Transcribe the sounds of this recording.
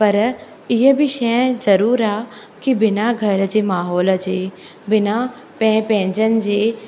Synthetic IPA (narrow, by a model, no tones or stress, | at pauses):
pɐɾ | ɪɦəbiʃɛ̃zɐɾuːɾaː | kibɪnaːɡʱɐɾəd͡ʒemaːɦoːləd͡ʒeː | bɪna | pɛ̃ːpɛ̃ːnd͡ʒənd͡ʒeː